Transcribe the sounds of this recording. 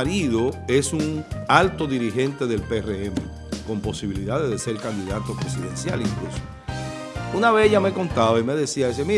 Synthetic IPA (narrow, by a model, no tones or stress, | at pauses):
ɾiðo̞e̞suŋalt̪o̞ðiɾihe̞nt̪e̞ðe̞lpereemḛ | ko̞mpo̞siβiliðaðeðese̞ɾkand̪iðat̪o̞pɾe̞siðẽ̞̰nsja̰liŋkluso̥ | unaβe̞sʝame̞ko̞nt̪aβaime̞ðe̞siaes̬emi